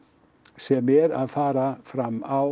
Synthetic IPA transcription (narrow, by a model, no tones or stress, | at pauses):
seːmeːɾaːfɑːɾafɾɑmɑʊ